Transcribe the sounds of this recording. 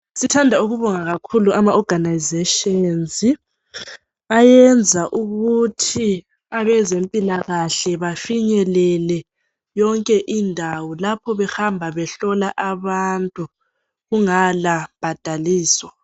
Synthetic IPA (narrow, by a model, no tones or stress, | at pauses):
sitʰandʱauɣuβɔŋaɣakʰuluʔamaɔɡ̥ʱanajzɛʃɔnzi | ajɛnd͡zʱaʔuɣutʰi | aβɛzempʼilaɣaɬɛβafiɲɛlɛlɛ | jɔŋkʼɛʔindʱawɔlapʰɔβɛxambʱaβɛɬɔlaʔaβantʼu | ɣuŋalab̥ʱad̥ʱaliːswa